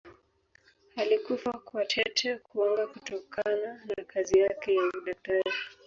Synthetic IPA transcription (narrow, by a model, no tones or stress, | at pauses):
halikufakwatʰɛtʰɛkʰuɔŋɡakutɔkʰananakʰazijakɛjauɗatad͡ʒi